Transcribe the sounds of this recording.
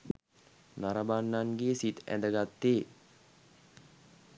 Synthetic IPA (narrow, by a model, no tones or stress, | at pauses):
naɾəbanːaŋɡeːsit̪æ̰nd̪əɡat̪ːeː